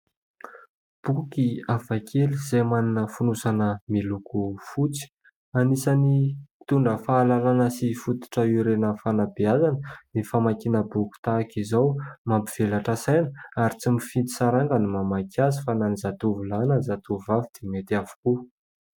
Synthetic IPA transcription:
b̥ukiavakʰeliz̥ajmaninəfunusanəmilukufut͡si̥ | anisanit̪uɳɖ͡ʐəfaːlalanəsifut̪u̥ʈ͡ʂəiɾenəfanabiazanənifamakinəbuki̥t̪akizawmambiv̥elaʈ͡ʂasajnə̥aɾit͡simifint̪i̥saɾaŋɡənimamakjazifananizat̪uvulanəzat̪uvuvavid̪̥emet̪avu̥ku

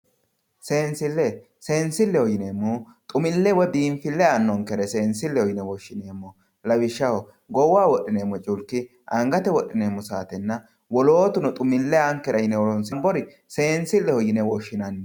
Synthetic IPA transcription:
se̞ːnsɪlːɛ | se̞ːnsɪlːɛhɔjɪneːmːu | t̪ʼʊmɪlːɛwɔd̪iːnfɪlːɛanːɔŋkːɛɾɛse̞ːnsɪlːɛhɔjɪnɛwɔʃːɪneːmːɔ | lɐwɪʃːɐwɔ | ɡɔwaːwɔɗɪneːmːɔt͡ʃʼʊlkːɪ | ʔɐŋɡɐt̪ɛwɔɗːɪneːmːɔsaːt̪ɛnːɐ | wɔloːt̪ʊnɔt̪ʼʊmɪlːɛaŋkːɛɾɐjɪnɛwɔlɔnsɪmbɔɾɪ | se̞ːnsɪlːɛhɔjɪnɛwɔʃːɪnɐnː

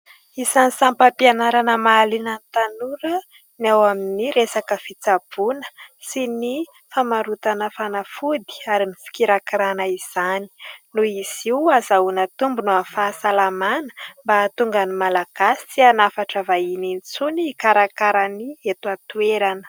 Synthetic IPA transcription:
isanisampəpianaɾanəmalinənt̪anuɾə | niawaminiɾesakəfit͡sab̥unə̥sini | famaɾut̪anəfanafud̪i̥aɾimifi̥kiɾakiɾanəiz̥ani̥nuiz̥iwazaunat̪umbunuafasalamanə̥mbaːt̪uŋɡanimalaɡ̥asi̥t͡sianafaʈ͡ʂəvaininit͡suniːkaɾakaɾaniet̪uat̪ueɾanə̥

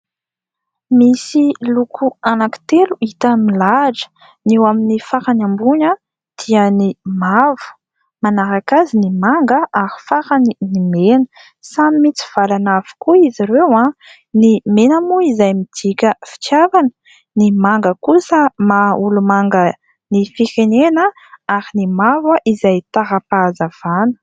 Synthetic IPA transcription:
misilukʰuanaki̥t̪eluit̪əmilaɖ͡ʐə̥ | newaminifaɾanambuɲə | d̪̥iənimavu̥ | manaɾakazinimaŋɡəʔaɾi̥faɾaninimenə | samimit͡si̥v̥alanavi̥kuiziɾewã | nimenamuizajmid̪̥ikʲəfi̥t͡ʃjavanə̥ | nimaŋɡəkusəmaulumaŋɡə | nifiɾenenə | aɾinimavəʔizajt̪aɦapazav̥anə̥

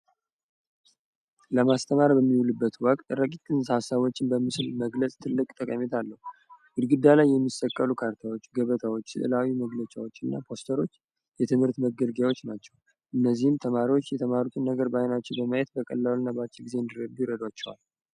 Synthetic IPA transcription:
ləmast̪ʰəmaɾbəmːiulɨbːət̪wɔkʼt̪ʼɾəkʼit̪ʼːɨnsasəβot͡ʃːɪnbəmɨslməɡləsʼt̪ʰɨlːɨkʼt̪ʼəkʼəmet̪ʰalːəhuwɨd̪ɡɨd̪ːalajːɛmːisəkʼːəlukʰaɾt̪ʰawo̞t͡ʃːɡəβət̪ʰawot͡ʃːsɨɨ̰lawiməɡlət͡ʃʼawo̞t͡ʃːɨnːa̰pʰo̞st̪ʰəɾo̞t͡ʃː | jɛt̪ʰɨmhɨɾt̪məɡəlɡjawo̞t͡ʃːnat͡ʃːɛw | ʔɨnːəzːihɨmt̪ʰəmaɾiwot͡ʃːjɛt̪ʰəmaɾut̪ʰunːəɡəɾbajnat͡ʃːɛwbəməjet̪̚bəkʼə̰lːalnabat͡ʃːɛɡize̞ɨnd̪iɾəd̪ujɾəd̪wat͡ʃːɛwa̰l

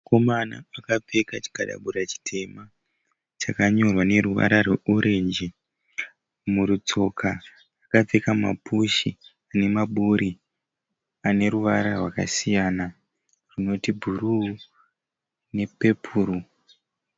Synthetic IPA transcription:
ko̞mana̰akap͡fe̞kat͡ʃi̥kaɗa̰ɓuɾat͡ʃi̥tʰe̞ma | t͡ʃakaɲo̞rwane̞ruʋa̰ɾarweʔuɾe̞nd͡ʒi | muɾut͡so̞kʰaː | kap͡fe̞kama̰puʃi | ane̞maɓuɾi | ane̞ɾuʋaɾarwaka̰sijana | rino̞tibʱuru | ne̞pe̞pʰuːɾu

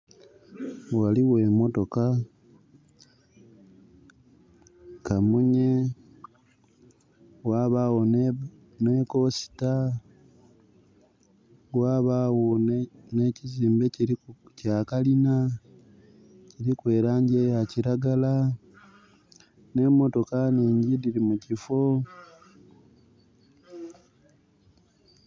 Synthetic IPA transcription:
waliɣwe̞mo̞to̞ka | kamuɲe̞ | ɣwaːβawon | ne̞ko̞si̥ta | waːβawonne̞ciziːmbe̞ciɾicaːkalina | ciɾikwe̞ːɾaːɲɟejaciɾaɡala | ne̞mo̞to̞kaniːɲɟidiɾimucifo

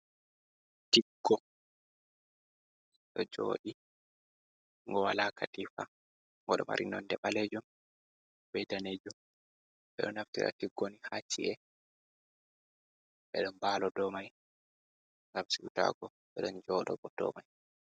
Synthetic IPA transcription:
tiɡːɔ | ɗɔd͡ʒo̰ːɗi | ŋɡɔwalakʰatifa | ŋɡɔɗɔma̰ɾʔḭnɔndɛɓalɛd͡ʒɔm | bɛdaned͡ʒɔm | ɓɛɗɔnaftḭɾʔa̰tiɡːonihat͡ʃːḭʔɛ | ɓɛɗɔnbaːlɔdɔmaj | ŋɡamsiuta̰ɡɔ | ɓɛɗɔnd͡ʒɔɗɔɓɔdɔ̰maj

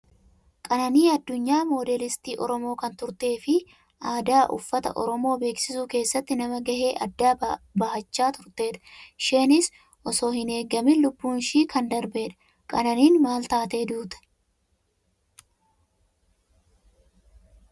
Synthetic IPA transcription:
kʼɐnɐniːɐd̪ːʊɲːaːmo̞ːd̪eːlɪst̪iːʔɔɾɔmo̞ːkɐnt̪ʊɾt̪e̞ːfɪ | ʔaːd̪aːʔʊ̰fːɐt̪ɐ̰ʔɔ̰ɾɔmo̞ːbe̞ːksɪsuːke̞ːsːɐt̪ːɪnɐmɐɡɐɦe̞ːʔɐd̪ːaːbɐhɐt͡ʃːaːt̪ʊɾt̪e̞ːᶑɐ̥ʃe̞ːnɪs | ʔɔso̞ːhɪne̞ːɡːɐmɪlʊbːuːnʃiːkɐnd̪ɐɾbeːᶑɐ̥ | kʼɐnɐniːnmaːlt̪aːt̪e̞ːd̪uːt̪ɐ̥

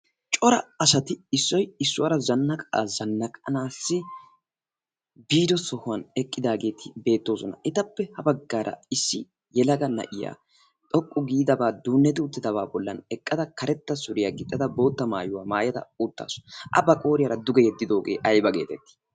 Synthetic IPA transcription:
t͡ʃʼɔɾɐ̰ɐsɐt̪ɪɪsːɔjɪsːʊwɐɾɐzɐnːɐkʼa̰ːzɐnːɐkʼɐnaːsːɪ | biːd̪ɔsɔhʊwɐnɛkʼːɪd̪aːɡe̞ːt̪ʰɪbe̞ːt̪ːo̞ːsɔnɐ̰ʔɪt̪ɐpːɛhɐbɐɡːaːɾʔɐ̰ɪsːɪ | jɛlɐɡɐnɐ̰ʔɪja̰ː | t̪ʼɔkʼːʊɡiːd̪ɐbaːd̪uːnːɛt̪ɪʊt̪ːɪd̪ɐβaːbɔlːɐnɛkʼːɐd̪ɐkɐɾɛt̪ːɐsʊɾɪjaːɡɪt̪ʼːɐd̪ɐbo̞ːt̪ːɐmaːjʊwaːmaːjɐd̪ɐ̰ʊt̪ːa̰ːsɔ̥ʔɐ̰bɐkʼo̞ːɾɪjɐɾɐd̪ʊɡɛjɛd̪ːɪd̪o̞ːɡe̞̰ːʔɐjbɐɡeːt̪ɛt̪ːɪ̥

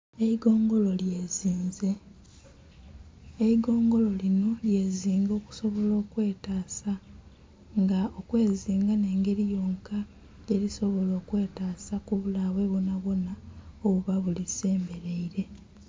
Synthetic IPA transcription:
eiɡo̞ːŋɡo̞lo̞ljeːziːnze | iɡo̞ːŋɡo̞lo̞lino̞lje̞ːziːŋɡo̞ːku̥so̞βo̞lo̞ːkwe̞ːtaːsa | ŋɡaokwe̞ːziːŋɡane̞ːŋɡe̞ɾijo̞ːŋka | jeɾiso̞βo̞lo̞ːkwe̞ːtaːsakuβulaβwe̞βonaβo̞naoβuβaβulise̞ːmbe̞ɾeiɾe̞

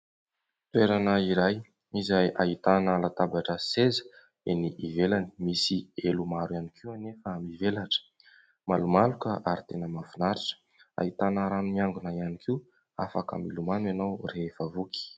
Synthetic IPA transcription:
t̪ueɾanaiɾaj | izajʔait̪anəlat̪abaʈ͡ʂəsezə̥ | eniʔivelani̥misielumaɾuanikʰiuanefəamivelaʈ͡ʂə̥ | malumalukəʔaɾit̪enəmafunaɾiʈ͡ʂə̥ | a̰it̪anəɾanumiaŋɡunaianikʰi | afaka̰milumanwanawreefavuki̥

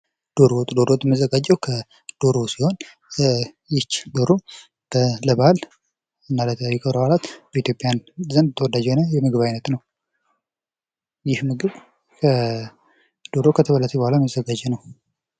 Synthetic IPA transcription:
d̪̥o̞ɾwɔt̪ʼud̪oɾowɔt̪ʼːməzːəɡad͡ʒːɛwkʰə | d̪̥o̞ɾosiho̞n | jɪt͡ʃːd̪o̞ɾo | b̥ələbal | ɨnːalət̪ʰəjːɛkʰəβɾaalat̪bəit̪jo̞pʼjanzənd̪ət̪ʰəwɔd̪ad͡ʒɛhonəjɛmɨɡɨβajnət̪nəw | jɪhmɨɡɨβ | kʰə | d̪̥o̞ɾokʰət̪ʰəβəlːət̪ʰəbəhʷalaməzːəɡad͡ʒɛnəw

